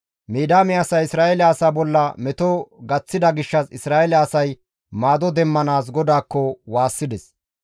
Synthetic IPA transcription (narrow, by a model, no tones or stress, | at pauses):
miːd̪aːmɛɐsɐjɪsɾaːʔɛlɛɐsaːbɔlːɐmɛt̪ɔɡɐt͡sːɪd̪ɐɡɪʃːɐsɪsɾaːʔɛlɛɐsɐj | maːd̪ɔd̪ɛmːɐnaːs̬ɡɔd̪aːkːɔwaːsːɪd̪ɛs